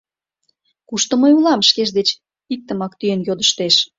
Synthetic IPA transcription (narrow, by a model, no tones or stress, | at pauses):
kuʃt̪ŏməjulɑmʃkeʒd̪et͡ɕ | ik̚t̪ːə̆mɑkt̪yjənjod̪əʃt̪eʃ